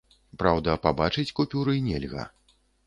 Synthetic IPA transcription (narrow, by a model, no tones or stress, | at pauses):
pɾawd̪ɐpabat͡ʂɨt͡sʲkupʲuɾɨnʲɛlʲɣɐ̰